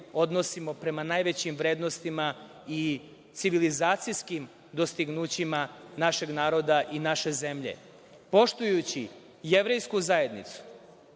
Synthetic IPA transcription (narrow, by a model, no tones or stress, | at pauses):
o̞d̪nosimo̞pɾe̞manajʋet͡ɕimʋɾe̞ːd̪nost̪ima | i | t̪siʋilizaːt̪sijskim | d̪o̞st̪iɡnuːt͡ɕimanaʃe̞ɡnaːɾo̞d̪aʔinaʃe̞ze̞mʎe̞̰ | po̞ʃt̪ujut͡ɕi | je̞ʋɾe̞jskuzae̞d̪nḭt̪su̥